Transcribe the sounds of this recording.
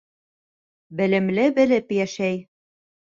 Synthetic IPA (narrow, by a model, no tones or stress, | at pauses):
bɘ̆lɘ̆mlɘ̆bɘ̆lɘ̆pjæʃæj